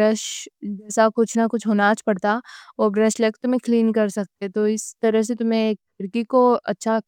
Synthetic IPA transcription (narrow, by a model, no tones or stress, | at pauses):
ɾəʃd͡ʒɛːsakʊt͡ʃʰnakʊt͡ʃʰɦoːnat͡ʃʰpɐɽt̪aobɾɛʃlɐkt̪ʊmẽkliːnkɐɾsɐk̚t̪et̪oɪst̪ɐɾəɦs̬et̪ʊmẽkːɐɾkikoɐtːʃʰa